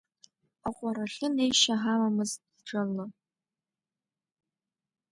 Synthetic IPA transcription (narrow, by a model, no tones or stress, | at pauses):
aqʷʼaɾaɬɨnejʃaɦamamɨziʈ͡ʂʷʰarnɨ